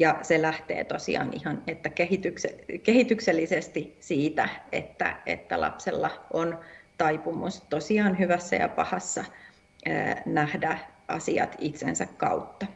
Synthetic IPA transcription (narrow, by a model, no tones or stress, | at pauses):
jɑselæht̪ḛːt̪osḭɑ̰nihɑnet̪ːækehit̪yksekehit̪ykselːisest̪isiːt̪æḛt̪ːæ̰ḛt̪ːæ̰lɑ̰pselːɑʔont̪ɑipumust̪osiɑːnɦyʋæsːæ̰jɑ̰pɑhɑsːɑ | ø̰ːnæhdæʔɑ̰siɑ̰t̪it̪sḛnsækkɑ̰ut̪ːɑ